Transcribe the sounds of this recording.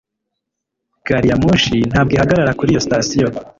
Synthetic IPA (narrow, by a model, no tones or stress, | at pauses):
ɡ̥aɾijamuʃin̥haːb̚ɡihaɡaɾaɾakuɾijo̞sitasijo